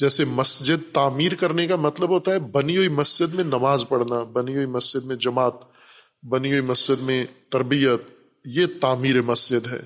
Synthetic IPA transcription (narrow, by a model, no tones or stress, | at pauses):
d͡ʒɛːsemɐsd͡ʒɪd̪̚t̪aːmiːɾkɐɾnekamɐt̪ləbɦoːt̪aɦɛbɐnijoːimɐsd͡ʒɪd̪mẽnɐmaːzpɐɽnabɐnijoːimɐsd͡ʒɪd̪mẽd͡ʒɐmaːt̪ | bɐnijoimɐsd͡ʒɪd̪mẽt̪ːɐɾbijət̪̚ | jet̪aːmiːɾemɐsd͡ʒɪd̪ɦɛ̰ː